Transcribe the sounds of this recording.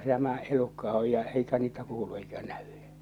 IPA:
tæmæ elukːɑ oj jɑ eikæ niːtæ kuːlu eikæ næʋ̥ẙ

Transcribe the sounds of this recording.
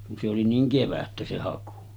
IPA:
kun se oli niːŋ keʋætːæ se hɑku

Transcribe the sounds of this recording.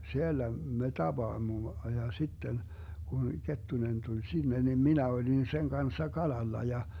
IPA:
sielːæ me tɑb̥ɑːmːo jɑ sitːen kun ketːunen tulʲ sinːe nim minæ olin seŋ kɑnsːɑ kɑlɑlːɑ jɑ

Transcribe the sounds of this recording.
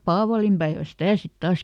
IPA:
pɑːʋɑlimpæeʋæn̞ sitæˑ sit tɑːs

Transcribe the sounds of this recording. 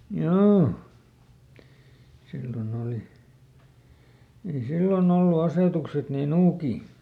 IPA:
joː silːon oˑli ei silːon olːu ɑseˑtukset niː nuːkiː

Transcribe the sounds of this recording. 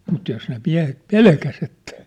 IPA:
mut jos ne miæ̝het pelkæs etːæ

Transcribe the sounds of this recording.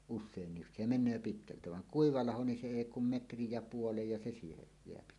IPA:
usˑeːnːis se menˑøː pitkæltæ ʋɑŋ kuiʋɑ lɑho ni se eˑi kum metrij jɑ puolej jɑ se siːhej jeæpi

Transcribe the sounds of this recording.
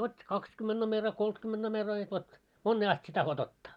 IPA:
otʲːi kɑkskymːend̥ nomerɑ koltkymːend̥ nomerɑ jɑ ʋot monːeː ɑst sie tɑhot otːɑ̥

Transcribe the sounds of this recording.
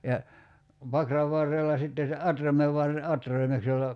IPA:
jɑ pɑkrɑʋ ʋɑrːelːɑ sitːe se ɑtrɑmeʋ ʋɑrːe ɑtrɑimeks jolːɑ

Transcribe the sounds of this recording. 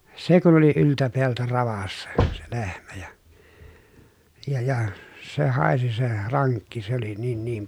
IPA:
se kun oli yltæ peæltæ rɑʋɑsːɑ se lehmæ jɑ jɑ jɑ se hɑˑesi se rɑŋkːi se oli niːn niːm

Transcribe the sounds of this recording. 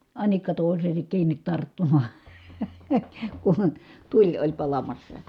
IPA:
ɑnikːɑ toˑiseːsek kiːnˑit tɑrtːumɑ̥ː kun̥ tulʲ olʲ pɑlɑmɑsːɑ

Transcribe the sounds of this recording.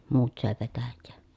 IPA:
muːt søˑe petæjːeː

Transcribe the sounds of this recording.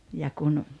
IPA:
jɑ kun

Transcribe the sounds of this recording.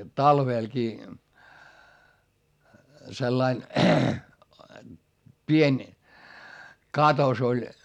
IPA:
tɑlʋeˑlkiː selːɑin pienʲ kɑtos olʲ

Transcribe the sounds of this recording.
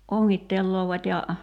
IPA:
oŋːitːelːoːʋɑtʲ jɑ

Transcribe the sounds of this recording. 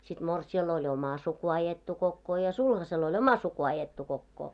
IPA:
sit morsiɑl olʲ omɑ suku ɑjetːu kokːoː jɑ sulhɑsel olʲ omɑ suku ɑjetːu kokːoː

